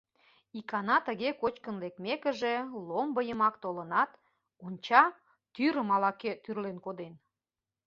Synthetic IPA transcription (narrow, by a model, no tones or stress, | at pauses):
ikɑnɑt̪ə̆ɣekot͡ɕkənlekmekə̆ʒelombəjəmɑkt̪olənɑt̪ | onʲt͡ɕɑ | t̪yɾə̆mɑlɑket̪yrlenkod̪en